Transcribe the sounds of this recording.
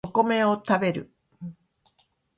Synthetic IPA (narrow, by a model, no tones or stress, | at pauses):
okomeot̪abe̞ɾɯ̰